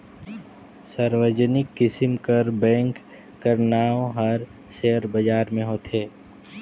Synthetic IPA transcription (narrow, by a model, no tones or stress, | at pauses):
səɾʋəd͡ʒənɪkːɪsɪmkəɾbɛ̃ːŋkː | əɾnaːõɦɐɾ | seəɾbəd͡ʒaːɾmẽɦoːt̪eː